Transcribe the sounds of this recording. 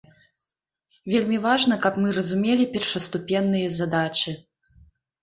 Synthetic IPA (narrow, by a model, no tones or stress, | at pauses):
vʲelʲmʲivaʐnɐkɐpmɨɾɐzumʲelʲipʲɛrʂɐst̪upʲɛnːɨjɐzad̪at͡ʂɨ